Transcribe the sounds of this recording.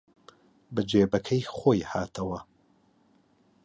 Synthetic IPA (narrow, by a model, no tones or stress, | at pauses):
bɐd͡ʒeːbɐkʰɐjχoːjhaːt̪ʰɐwɐ